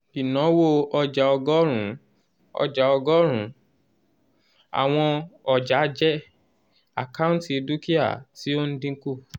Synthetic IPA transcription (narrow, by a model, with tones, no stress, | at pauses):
i˨nɔ̃˨˦wo˦ɔ˧d͡ʒa˨ɔ˧ɡɔ˦ɾ̃ũ˨˦ | ɔ̰˧d͡ʒa˨ɔ˧ɡɔ˦ɾ̃ũ˨˦ | a̰˨w̃ɔ̃˧ɔ˨d͡ʒa˨˦d͡ʒɛ˦ | a̰˨ka˦ũ˦ti˦˧du˦ki˦a̰˦˨ti˦o˦n̩˦dĩ˦ku˦˨